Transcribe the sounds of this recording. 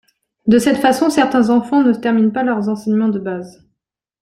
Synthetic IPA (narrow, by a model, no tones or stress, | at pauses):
d̪əsɛt̪fasɔ̃sɛʁt̪ɛ̃zɑ̃fɑ̃nət̪ɛʁminpalœʁzɑ̃sɛɲmɑ̃d̪əbaːz